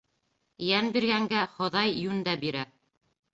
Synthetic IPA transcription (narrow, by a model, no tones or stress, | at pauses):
jænbiɾɡæŋɡæχŏðɑjːʉnd̪æbiɾæ